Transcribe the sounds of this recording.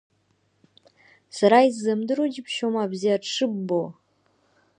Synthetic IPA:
saɾaizːamdɨɾod͡ʒipʰʃomabziaʂɨbːo

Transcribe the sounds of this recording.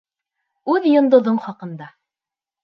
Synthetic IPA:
ʉðjŏnd̪ŏðoɴχɑqɤ̆nd̪ɑ

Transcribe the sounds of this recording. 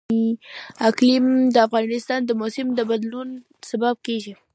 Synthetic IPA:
aklimd̪əafɣɑnɪst̪ɑnd̪əmosɪmd̪əbad̪lun | sabab̚keʒi

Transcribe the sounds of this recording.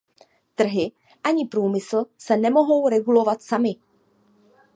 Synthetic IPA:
t̪r̩ɦɪ | ʔaɲɪpɾuːmɪsl̩sɛnɛmo̞ɦo̞wɾɛɡulo̞vat̪samɪ

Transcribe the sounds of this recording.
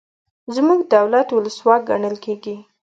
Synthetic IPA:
zmuɡd̪awlat̪wʊləswɑɡa̰ɳəlkʰeɡi

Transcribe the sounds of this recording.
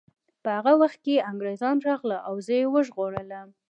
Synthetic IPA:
pəhaɣawaxt̪̚keaŋɡɾezɑnɾɑɣlaʔawzəjewəʒɣoɽələm

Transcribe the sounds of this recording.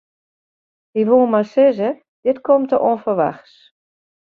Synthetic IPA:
iʋoːmasɪzə | d̥ɪtkʰomtəʔoənfərʋa̰xs

